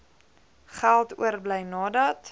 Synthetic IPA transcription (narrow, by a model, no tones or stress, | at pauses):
χælˠtṵərbləjnɑːdɐt